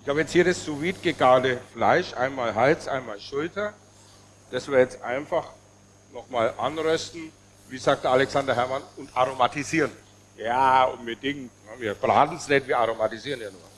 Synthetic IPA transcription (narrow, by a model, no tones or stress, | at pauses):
ʔɪçhaːbjɛt͡sthiːɐdɐssoviːtɡ̥eɡaːdəfla̰ɪʃʔa̰ɪnmaːlɦalt͡sʔa̰ɪnmaːlʃʊltɐ | d̥asviɐjɛt͡stʔa̰ɪnfaχ | nɔχmaːlʔanʁœstn̩ | viːzaːk̚td̥ɐalɛksandɐɦɛɐmanʊntʔaʁomatiziːʁən | jaːʔʊnbədɪŋktnaviːɐb̥ʁa̰ːdn̩snɛtv̥iːɐaʁomatiziːʁənjaːnuːɐ